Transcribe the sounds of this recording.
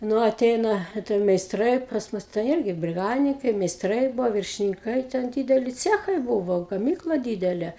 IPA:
ˈnʊ ɐˈtʲɛɪnɐ ɐ ˈtʲɛn mʲɛɪsˈtrɐɪ pɐs ˈmʊs tɐɪ ˈɪrʲɡʲɪ bʲrʲɪˈɡɑːdʲɪnʲɪŋkɐɪ mʲɛɪsˈtrɐɪ ˈbʊʋoː ʋʲɪrʲʃʲɪnʲɪŋˈkɐɪ tʲɛn ˈdʲiːdʲɛlʲɪ ˈt͡sʲæːxɐɪ ˈbʊʋoː ɡɐˈmʲiːklˠɐ ˈdʲiːdʲɛlʲɛ

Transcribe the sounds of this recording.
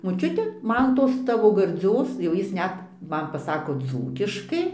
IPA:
moːˈt͡ʃʲʊtʲɛ ˈmɐn ˈtoːs ˈtɑːʋoː ɡɐrʲˈd͡zʲoːs jɛʊ ˈjɪs ˈnʲɛt ˈmɐn pɐˈsɑːkoː ˈd͡zuːkʲɪʃkɐɪ

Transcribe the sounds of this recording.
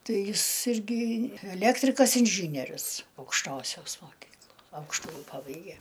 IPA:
ˈtɐɪ ˈjɪs ˈɪrʲɡʲɪ ɛˈlʲæːktʲrʲɪkɐs ɪnʲˈʒʲiːnʲiɛrʲʊs ɐʊkʃˈtoːsʲoːs moːˈkʲiːklˠoː ˈɐʊkʃtʊjɪ ˈpɑːbɐɪɡʲɛ

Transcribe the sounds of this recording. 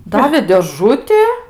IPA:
ˈdɑːʋʲeː dʲeːˈʒʊtʲɪ

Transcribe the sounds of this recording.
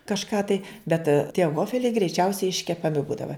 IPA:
kɐʃˈkɑː tɐɪ bʲɛt tʲiɛ ˈʋoːfʲɛlʲɛɪ ɡrʲɛɪˈt͡ʃʲɛʊsʲɛɪ ɪʃʲkʲɛpɐˈmʲɪ ˈbuːdɐʋɐ

